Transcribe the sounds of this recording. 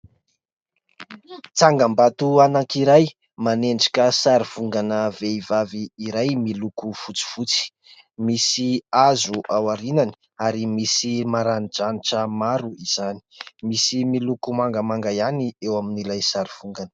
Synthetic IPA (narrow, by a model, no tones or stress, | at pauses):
t͡saŋɡambat̪uanaŋkiɾaj | maneɳɖ͡ʐḁkʲəsaɾiv̥uŋɡanəveivaviːɾajmilukufut͡si̥fut͡si̥ | misiazuʔawaɾinani̥ | aɾimisimaɾanid͡ʒaniʈ͡ʂəmaɾuiz̥ani̥misimilukumaŋɡəmaŋɡajaniewaminilajsaɾiv̥uŋɡanə̥